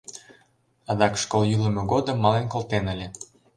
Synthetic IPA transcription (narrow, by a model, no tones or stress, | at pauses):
ɑd̪ɑkʃkoljylə̆mɤɣod̪ə̆mːɑlenkolt̪enə̆lʲe